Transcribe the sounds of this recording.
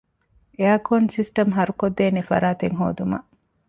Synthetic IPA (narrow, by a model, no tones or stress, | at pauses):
eaːkonsisʈɐmɦɐɾukod̪ːeːnefɐ̰ɾaːt̪eŋɦo̰ːd̪umɐ̰ʔ